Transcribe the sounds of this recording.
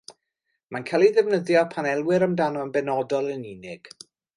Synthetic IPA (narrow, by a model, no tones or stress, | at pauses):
mankʰalˠiðɛvnəðjɔpʰanɛlˠwɪɾəmdanɔənbɛnɔdɔlˠəninɪɡ̥